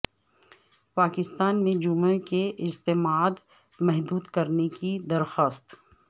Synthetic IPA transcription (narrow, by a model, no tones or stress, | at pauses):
paːkɪst̪aːnmẽd͡ʒʊmekeʔɪst̪eːmaːd̪ | mɛɦd̪uːd̪kɐɾnekid̪ɐɾxaːst̪